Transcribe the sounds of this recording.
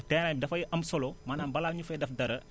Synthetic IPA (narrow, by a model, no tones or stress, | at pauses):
tɛnɐdɐfɐjʔɐmsɔlomanaːmbɐlaːɲufɛdɐfdɐɾɐ